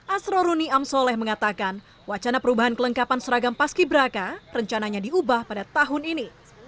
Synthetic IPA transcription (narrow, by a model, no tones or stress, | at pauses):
ʔasɾɔɾuniamsolɛhməŋat̪akan | wat͡ʃanapəɾubaɦankələŋkapansəɾaɡampaskibəɾakarəɲt͡ʃanaɲadiubahpadat̪aɦʊnini